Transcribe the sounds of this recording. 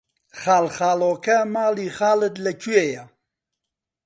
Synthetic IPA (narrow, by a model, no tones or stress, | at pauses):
χaːlχaːlokamaːliχaːləd̪lɐkueja